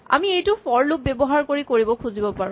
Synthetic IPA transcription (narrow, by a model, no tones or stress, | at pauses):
a̰miejtʊfɔɹlʊp̚bebɔɦaɹkoɹikoɹibɔkʰuzibɔpaɹʊ̃